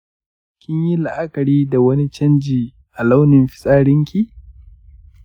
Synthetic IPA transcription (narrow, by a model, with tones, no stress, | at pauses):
kʲɪ˦ɲji˦la˨ʔa˦kɐ˨ɽiː˦da˨wɐ˦ni˦t͡ʃɐ˦nd͡ʒiː˨ | ʔa˨la˦wnɪ˨mɸɪ̥˦sʼaː˦ɽɪ˦ŋkʲi˨